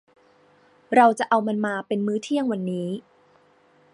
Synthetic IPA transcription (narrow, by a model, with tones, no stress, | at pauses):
ɾa˧wt͡ɕa˨˩ʔa˧wma˧nmaː˧pe˧nmɯː˦˥t̪ʰi˥˩əŋwa˧nːiː˦˥